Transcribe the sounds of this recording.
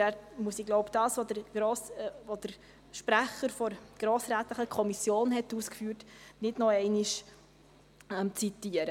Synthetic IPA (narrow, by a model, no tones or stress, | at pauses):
æːɾmuəsiɡlɔʊpd̥ɑːsʋodəɾɡ̥ɾoːsvod̥əɾ | ʃpɾæχəɾfɔɾɡ̥ɾoːsɾæːtləχəkʰɔmisjoːnhɛtuːskfyːɾtnɪdnɔɛɪniʃ | ɛmt͡sitiəɾə